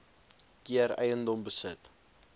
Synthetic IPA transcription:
kiəɾɛ̰jəndɔmbəsət

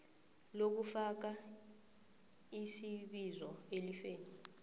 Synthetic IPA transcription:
lok̬ufak̬a | isiɓizɔelifeːni

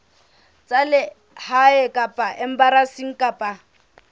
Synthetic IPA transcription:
t͡sʼalɪ | haɛkʼapʼaʔɛm̩baɾasiŋ̩kʼapʼa

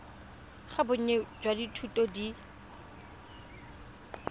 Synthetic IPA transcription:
χabʊɲ̩ɲɛd͡ʒwaditʰutʼɔdi

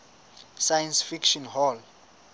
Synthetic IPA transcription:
sajansfikʃɔnɦɔl

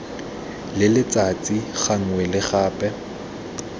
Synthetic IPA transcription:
lɪlɪt͡sʼat͡sʼiχaŋ̩wɛlɪχaːpʼɛ

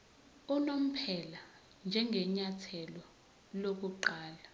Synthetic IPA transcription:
unom̩pʰɛla | nd͡ʒʱɛŋʱɛɲatʰɛlɔ | lok̬uǃaːla

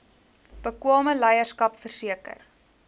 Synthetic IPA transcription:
b̥əkwɑːməlɛjərskɐpfərsiəkə̰r

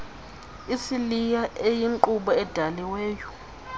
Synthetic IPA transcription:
isilijaʔejiŋǃuɓɔɛd̥ʱaliweːjɔ

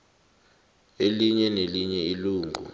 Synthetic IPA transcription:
eliɲɛneliɲɛiluːŋʱṵ

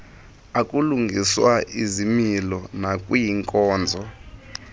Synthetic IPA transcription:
akʼuluŋɡʱiswaʔizimilɔnakʼwijiŋkʼɔːnd͡zʱɔ

